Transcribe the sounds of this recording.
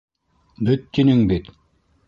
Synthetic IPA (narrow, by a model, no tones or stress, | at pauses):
byt̪̚ːinyŋbit̪